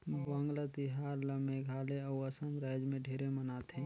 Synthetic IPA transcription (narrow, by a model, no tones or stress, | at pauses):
ʋə̃ŋɡlət̪ɪɦaːɾləmẽɡʱaːleɔːɐsə̃mɾɛːd͡ʒmẽɖʱeːɾemənaːt̪ẽː